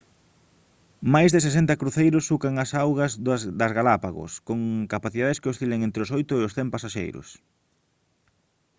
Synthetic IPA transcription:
majzðes̬es̬ent̪ɐkɾuθejɾʊsːukaŋɐsawɣɐzðzðɐzɣalapaɣʊ̰skoŋkapaθiðaðeskeost̪ileŋẽnt̪ɾɪosojt̪ʊeʊsθɛmpasaʃḛjɾʊ̰s

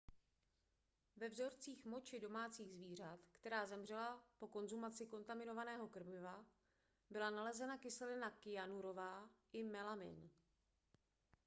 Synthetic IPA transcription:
vɛvzo̞ɾt͡siːxmo̞t͡ʃɪdo̞maːt͡siːɣzviːr̝at̪kt̪ɛɾaːzɛmr̝ɛlapo̞ko̞nzumat͡sɪko̞nt̪amɪno̞vanɛːɦo̞kr̩mɪva | bɪlanalɛzɛnakɪsɛlɪnakɪjanuɾo̞vaːʔɪmɛlamɪ̰n

